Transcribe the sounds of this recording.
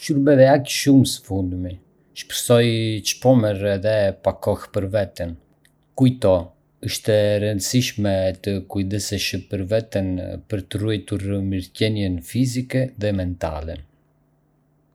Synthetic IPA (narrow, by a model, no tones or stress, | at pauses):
ʃuɾbɛðɛakʃumsə̥fund̪mi | ʃpə̥ɾsɔjt͡ʃpɔməɾɛðɛpakɔxpəɾvɛt̪ən | kujt̪ɔ | əʃt̪ɛɾənd̪əsiʃmɛt̪əkujd̪əsɛʃəpəɾvɛt̪ənpəɾt̪əruɛjt̪uɾmiɾcɛnjɛnfizikɛðɛmɛnt̪a̰lɛ